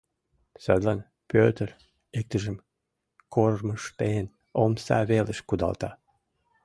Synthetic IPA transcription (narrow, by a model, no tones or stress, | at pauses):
sød̪lɑn | pøt̪əɾ | ek̚t̪əʒə̆m | kʰorməʃt̪ejən | omsɑ̰βelə̆ʃkud̪ɑ̰lˠt̪ɑ